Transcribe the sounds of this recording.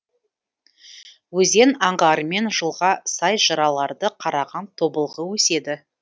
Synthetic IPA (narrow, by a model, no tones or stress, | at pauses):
wɵze̞nɑɴʁɑɾəme̞nʒəlˠʁɑsɑjʒəɾɑlˠɑɾd̪əqʰɑɾɑʁɑnt̪ʰo̞bəlˠʁəwɵse̞d̪ɪ